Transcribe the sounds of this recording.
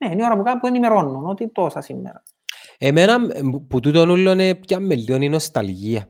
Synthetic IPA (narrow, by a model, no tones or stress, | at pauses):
nenioɾapukapuenimeɾonːunot̪it̪osɐsimːḛɾa | emenɐput̪ut̪onulːonepcamːelːioninost̪alʝiɐ